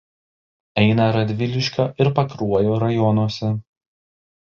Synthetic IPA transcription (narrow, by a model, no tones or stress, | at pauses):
ɛɪnɐɾɐd̪ʲʋʲɪlʲɪʃʲkʲoːʔɪɾpɐkɾuɔjoːɾɐjɔnuɔsʲɛ